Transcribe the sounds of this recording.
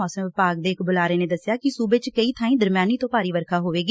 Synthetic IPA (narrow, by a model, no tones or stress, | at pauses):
ɔːsəmʋɪpaːɡ̚d̪eːɪkbʊlaːɾeːneːd̪əsːjaːkɪsuːbeːt͡ʃkəiːt̪ʰaːĩːd̪əɾmjaːniːt̪õːpaːɾiːʋəɾkʰaːɦoːʋeːɡ